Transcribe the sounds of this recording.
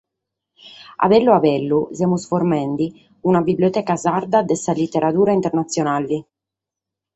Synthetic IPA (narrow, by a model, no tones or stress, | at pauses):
a̰vɛlːuavɛlːuzɛmusfoɾmɛnd̪i | unabibliot̪ɛːkazaɾd̪ad̪ɛsalit̪ːeɾʔat̪uːɾaint̪ɛɾnat̪sːjɔnalːi